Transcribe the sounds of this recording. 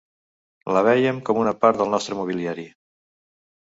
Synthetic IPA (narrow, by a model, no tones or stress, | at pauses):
ləβ̞ɛjəmkɔmunəpaɾt̪ðəlˠnɔst̪ɾəmuβ̞iliaɾi